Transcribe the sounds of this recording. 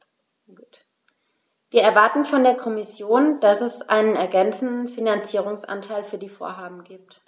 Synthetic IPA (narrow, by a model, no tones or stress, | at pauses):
t | v̥iːɐɛɐvaɐtn̩fɔndeːɐkʰɔmɪsjoːnd̥asɛsʔa̰ɪnənɛɐɡɛnt͡sn̩dn̩finant͡siːʁ̞ʊŋsʔa̰ntʰaɪlfyːɐdiːfo̰ːɐɦaːbm̩ɡiːp̚t